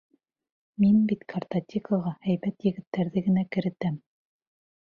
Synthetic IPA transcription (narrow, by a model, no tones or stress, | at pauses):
minbit̪kʰɐrt̪ɐt̪ʲiklˠɤʁɑæjβæt̪jɘ̆ɡɘ̆t̪ːæɾðɘɡɘ̆nækɘ̆ɾɘ̆t̪æm